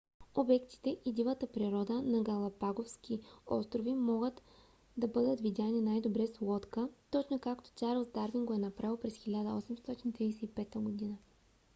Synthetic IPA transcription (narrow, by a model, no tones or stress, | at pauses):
obɛkt̪i̥t̪ɛʔid̪ivət̪əpɾiɾɔd̪ənɐɡɐlˠɐpaɡofskʲiɔ̰st̪ɾovimɔɡət̪ | d̪ɐbɤd̪ət̪vid̪ʲaninajd̪obɾɛslˠɔt̪kət̪ɔt͡ʃnokakt̪o̥t͡ʃaɾlˠsd̪aɾviŋɡoɛnɐpɾavɛlˠpɾɛsxilʲad̪əɔsɛmst̪ɔt̪int̪ɾidɛsɛipɛt̪əɡod̪inə